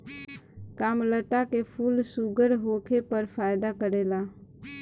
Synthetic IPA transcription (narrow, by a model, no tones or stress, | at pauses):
kaːmləʈakepʰuːlsuɡəɾɦoːkʰepəɾfʰaːɪd̪akəɾeːlaː